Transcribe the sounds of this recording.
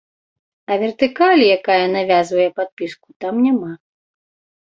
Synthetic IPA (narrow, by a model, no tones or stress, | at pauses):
ɐvʲɛrt̪ɨkalʲijakajɐnavʲazvɐjɛpat̪̚pʲisku̥t̪amnʲama